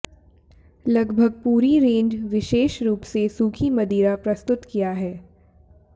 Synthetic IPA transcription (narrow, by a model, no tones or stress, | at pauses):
lɐɡbʱəɡ̚puːɾiɾẽːɲd͡ʒʋɪʃeːʃɾuːpsesuːkʰimɐd̪iːɾapɾɐst̪ʊt̪kijaɦɛː